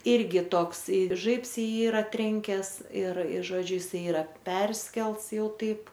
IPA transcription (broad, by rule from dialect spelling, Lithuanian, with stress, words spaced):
ˈɪrʲɡʲɪ ˈtoːks ɪ ˈʒɐɪps ɪ ˈjiː ˈiːrɐ ˈtʲrʲɛŋʲkʲɛs ɪr ɪr ˈʒoːd͡ʒʲʊ jɪˈsɐɪ ˈiːrɐ ˈpʲɛrʲsʲkʲɛlˠts ˈjɛʊ ˈtɐɪp